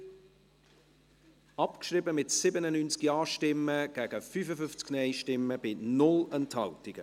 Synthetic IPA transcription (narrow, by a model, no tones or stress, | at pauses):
ɑpkʃriːbəmɪtsɪbənənyːnt͡skjɑːʃtɪmːəɡ̥æɡ̥əfyːfəfʏnft͡sɡ̥nɛɪʃtɪmːəb̥ɪnʊlɛnthɑltɪɡ̥ə